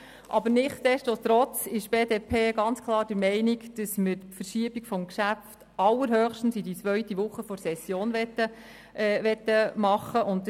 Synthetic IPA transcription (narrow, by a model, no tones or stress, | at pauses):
ʔɑbəɾnɪχtdɛstot̪ɾɔt͡sɪʃb̥eːdeːpʰeːɡɑnt͡skʰlˠɑːɾd̥əɾmɛɪnikd̥əsməɾfəɾʃiəbikfɔmkʃæft | ɑlːəɾɦœːχʃtn̩sidit͡sʋœɥtiʋʊχːəfɔɾsɛsːjoːnʋɛt̪ːə | ʋɛtːəmɑχəʔʊnt̚